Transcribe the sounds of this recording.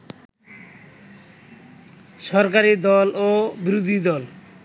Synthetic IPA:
ʃɔɾk̬aɾid̪ɔlobiɾod̪ʱid̪ɔl

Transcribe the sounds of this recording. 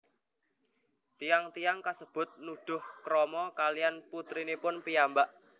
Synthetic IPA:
t̪ijaŋt̪ijaŋkasəb̥ʊ̤t̪̚nuɖ̪̥ʊ̤hkɾɔmɔkalijanput̪ɾinepʊnpijambaʔ

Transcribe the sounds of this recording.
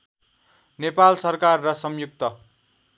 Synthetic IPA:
nepalsʌrkarːʌsʌmjuk̚t̪ʌ

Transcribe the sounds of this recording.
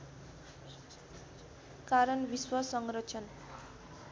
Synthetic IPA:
kaɾʌnbiswʌsʌŋɡrʌt͡sʰʌn

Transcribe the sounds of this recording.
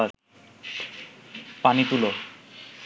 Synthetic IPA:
aɾ | panit̪ulo

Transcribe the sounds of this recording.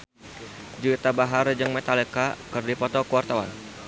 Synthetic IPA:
d͡ʒuit̪abaɦard͡ʒɨŋmɛt̪alekakɨrdipɔt̪ɔkəwart̪awa̰n

